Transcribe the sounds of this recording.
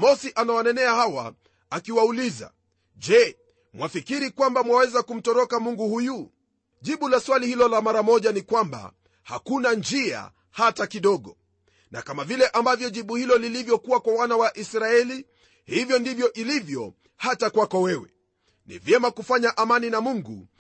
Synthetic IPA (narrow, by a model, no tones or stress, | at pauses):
mɔsiʔanawanɛnɛahawa̰ | akiwauliza̰ | ʄɛ | mwafikiɾikwambamwawɛzakum̩tɔɾɔkamuŋɡuhuju | ʄiɓulaswalihilɔlamaɾamɔʄanikwamba̰ | ha̰kunand͡ʒia̰ | hatakiɗɔɠɔ | na̰kamavilɛʔambavjɔʄiɓuhilɔlilivjɔkuwakwawanawaʔisɾaɛli | hivjɔndivjɔʔilivjɔ | hatakwakɔwɛwɛ̰ | nḭvjɛmakufaɲaʔamaninamuŋɡṵ